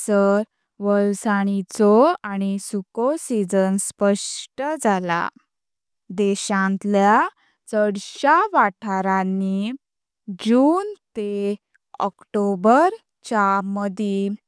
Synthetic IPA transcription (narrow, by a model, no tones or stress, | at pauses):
səɾ | ʋəlsaɽ̃it͡sɔaɽ̃isukosid͡zənspəʂʈəd͡zala̰ | d̪ɛɕãnt̪lja | t͡səɽɕaʋaʈʰaɾãnːi | d͡ʑuːnt̪e | ɔ̰kʈobəɾ | t͡ɕaməd̪ʱi